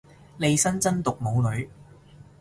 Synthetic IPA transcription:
le˨˧jsɐ˥nt͡sɐ˥nt̪ʊ˨k̚mo˨˧wlɵ˨˧ɥ

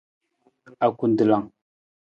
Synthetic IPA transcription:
a˨ku˨ndə˨la˨ŋ

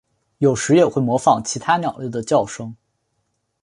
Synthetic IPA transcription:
jo˨˩ʊʂɻ̩˧˥jɛ˨˩xwe˥˩ɪmwɔ˧˥fɑ˨˩ŋt͡ɕʰi˧˥t̪ʰa˥njɑ˨˩ʊlə˥˩d̪ə˩t͡ɕjɑ˥˩ʊʂɤ˥ŋ

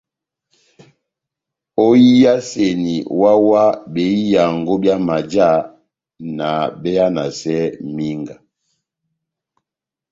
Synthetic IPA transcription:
o˦ji˦ja˦se˨ni˨wa˦wa˦be˨i˦ja˨ŋ˨ɡo˦bja˦ma˨d͡ʒa˦˨ | na˨bɛ˦ja˦na˨sɛ˦mi˦ŋɡa˨

